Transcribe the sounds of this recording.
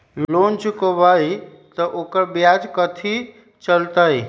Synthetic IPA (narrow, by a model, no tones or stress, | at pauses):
llont͡ʃukəbai | t̪ɔʔokəɾbjad͡ʒkət̪ʰi | t͡ʃəlt̪əj